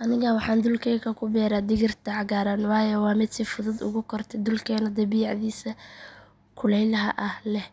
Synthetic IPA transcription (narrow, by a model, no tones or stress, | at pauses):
ʔɐnɪɣɐwɑħɑːnd̪ʊlkʰɛːkʰɐkʰʊbɛːɾaːd̪ɪɣɪrt̪ʰɐʕɑɣaːɾanwɑːjɛwɑːmɪd̪sifʊðʊd̪ʊ̰ɣʊkʰɔrt̪ʰɛd̪ʊlkʰɛːnɐd̪ɐbiːʕðiːsɐ | kʰʊlɛjlɐɦɐʔɐhlɛh